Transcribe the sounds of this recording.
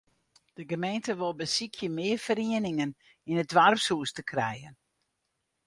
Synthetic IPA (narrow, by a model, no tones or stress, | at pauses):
d̥əɡəmejntəʋolˠbəsikʰjəmɪərfəɾiənɪŋən | inədʋarpsuːstəkʰrɛ̰jən